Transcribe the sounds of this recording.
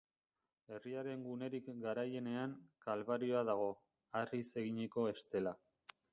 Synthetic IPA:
e̞riaɾe̞ŋɡune̞ɾikɡaɾaje̞ne̞aŋkalβaɾio̞aðaɣ̞o̞ | arise̞ɣiɲeko̞e̞st̪e̞la

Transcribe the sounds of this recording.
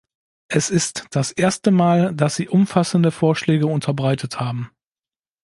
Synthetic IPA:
ʔɛsɪstd̥asʔeːɐstəmaːldasz̥iːʔʊmfasn̩dəfoːɐʃlɛːɡəʊntʰɐbʁaɪtʰəthaːbm̩

